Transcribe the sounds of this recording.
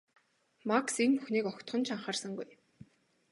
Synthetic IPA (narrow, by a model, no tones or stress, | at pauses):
maksenpuxniːkɔkt̪χɞ̆nt͡ɕʰaɴχaːrsə̆ŋɡuj